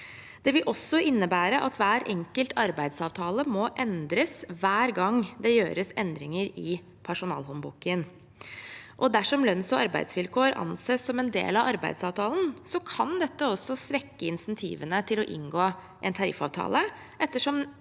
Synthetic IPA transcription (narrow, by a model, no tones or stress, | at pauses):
d̪̥ɛʋɪlʔɔsːɔʔɪnːəbæːɾəʔɑt̪ʋæːɾʔɛŋkəlt̪ʰɑɾbæɪd̪sɑːʋt̪ʰɑːləmɔʔɛnd̪ɾəsʋæːɾɡɑŋd̪ɛjøːɾəsɛnd̪ɾɪŋəɾɪ | pʰæʂʊnɑ̰ːlɦɔnbukən | ʔɔd̪æʂɔmlœnsɔɑɾbæ̰ɪd̪sʋɪlkʰoːɾɑ̰nseːsɔmɛnd̪ḛːlɑʋɑɾbæɪd̪sɑːʋt̪ʰɑːln̩sɔkʰɑnd̪ɛt̪ːəɔsːɔsʋɛkːəɪnsɛnt̪ʰḭːʋənət̪ʰɪlɔʔɪ̰ŋɡoː | ʔɛnt̪ʰɑɾɪ̰fɑ̰ːʋt̪ʰɑ̰ːlə | ʔɛt̪ːəʂɔm